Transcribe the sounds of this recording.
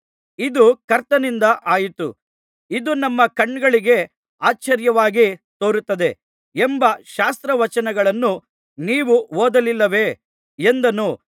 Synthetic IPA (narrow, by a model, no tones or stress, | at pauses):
id̪ukɐɾt̪ɐnind̪ɐʔaːjit̪u | id̪unɐmːɐkɐɳːɡɐɭiɡe̞ | aːt͡ʃt͡ʃːɐɾjɐʋaːɡit̪oːɾut̪ːɐd̪e̞ | embɐʃaːst̪ɾɐʋɐt͡ʃɐnɐɡɐɭɐnːu | niːʋuoːd̪ɐlilːɐʋe̞ | end̪ɐnuː